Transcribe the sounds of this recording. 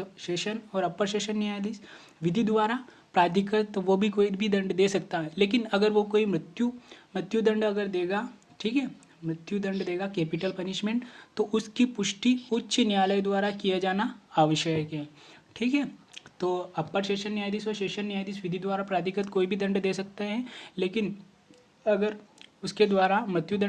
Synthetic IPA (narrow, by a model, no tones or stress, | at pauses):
t̪oʃeːʃənɔːɾɐpːəɾʃeːʃənːijaːjd̪iːs | ʋɪd̪ʱid̪ʋaːɾa | pɾaːt̪ɪkət̪ːoʋobʱikoːibʱid̪ɐ̃ɳɖd̪eːsɐk̚t̪aɦɛleːk̬ɪnɐɡəɾʋokoːimɾɪt̪jumɾɪt̪jud̪ɐ̃ɳɖɐɡəɾd̪eːɡa | ʈʰiːkɦɛː | mɾɪt̪jud̪ɐ̃ɳɖd̪eːɡakeːpɪʈəlpɐnɪʃmẽːɳʈt̪oʔʊskipʊʃʈiʊtːʃʰinjaːləjd̪waːɾakijad͡ʒaːnaaːʋəʃjəkɦɛːʈʰiːkɦɛːt̪oːɐpːəɾʃeːʃənːjaːjd̪isɔːɾʃeːʃənːjaːjd̪isʋɪd̪ʱid̪waːɾapɾaːt̪ɪkət̪koːibʱid̪ɐ̃ɳɖd̪eːsɐk̚t̪aɦɛleːkɪn | ɐɡəɾʊsked̪waːɾamɾɪt̪jud̪ɐ̃